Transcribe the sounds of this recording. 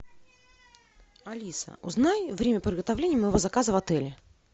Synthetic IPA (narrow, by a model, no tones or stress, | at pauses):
ɐlʲisə̰ʊznajvɾʲemʲəpɾʲɪd̪ɡət̪avlʲenʲɪjəməjɪvo̞zɐkazəvɐt̪ɛlʲɪ